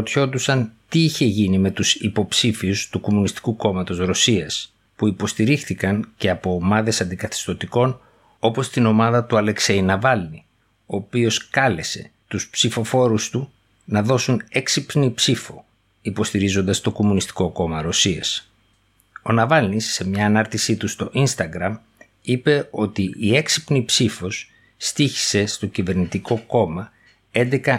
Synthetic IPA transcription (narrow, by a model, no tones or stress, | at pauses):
ot̪ço̞d̪usɐnt̪iiçe̞ʝinime̞t̪usipo̞psifiust̪uko̞munist̪i̥kuko̞mɐt̪o̞zɾo̞siɐs | puipo̞st̪iɾixθikɐnce̞ɐpo̞ːmɐðe̞sɐnd̪ikɐθi̥st̪ot̪iko̞n | o̞po̞st̪ino̞mɐðɐt̪uɐle̞kse̞jnɐvɐlni | o̞ːpio̞skɐle̞se̞̰t̪uspsifo̞fo̞ɾust̪u | nɐðo̞suneksipnipsifo | ipo̞st̪iɾizo̞nd̪ɐst̪o̞ko̞munist̪i̥ko̞ko̞mɐɾo̞siɐs | o̞nɐvɐlnisːe̞mɲɐːnɐɾt̪isit̪ust̪o̞ʔinst̪ɐɡɾɐm | ipe̞o̞t̪iːe̞ksi̥pnipsifo̞sː | t̪içi̥se̞st̪o̞cive̞ɾnit̪iko̞ko̞mɐ | e̞nd̪ekɐ